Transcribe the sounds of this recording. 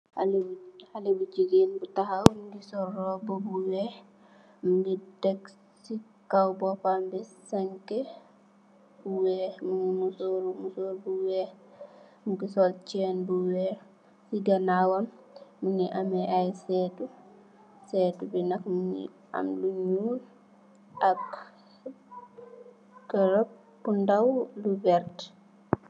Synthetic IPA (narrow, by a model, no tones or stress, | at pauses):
alhalibut͡ʃiɡinbutahawmuɡisɔrːɔbobuwɛ | muɡidɛk | si | kawbɔpambisaŋke | buwɛmuŋimusoɾmusoɾbuwɛ | muɡisɔlt͡ʃɛnbuwɛɾ | siɡanawɐmːuniʔamɛʔajsɛːtu | sɛːtubinakmunḭ | a̰mluɲuːl | ʔak | ɡɐɾɔp̚ːundawlubɛɾt